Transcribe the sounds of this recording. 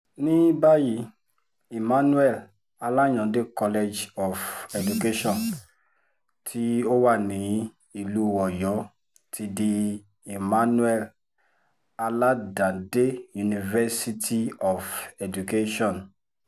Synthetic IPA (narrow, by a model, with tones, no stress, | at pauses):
nĩ˦ba˦ji˧˦ | i˨mã˦nu˦ɛ˦˨l | a˧la˦j̃ɔ̃˨de˦kɔ˧le˧d͡ʒɔ˨fɛ˨du˨ke˦ʃɔ̃˦˨n | tʰi˦o˦wa˦˨nĩ˨˦ | i˦˨lu˦ɔ˨jɔ˨˦ | tʰi˧di˧ | i˨mã˦nũ˦ɛ˦˨l | a˧la˦dã˨de˦ju˨nĩ˨vɛ˦si˧tʰi˧ɔ˨fɛ˨d͡ʒu˨ke˦ʃɔ̃˦˨n